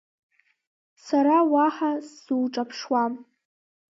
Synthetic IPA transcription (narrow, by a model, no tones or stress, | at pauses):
saɾawaħasuwʈ͡ʂʼapʰʂwam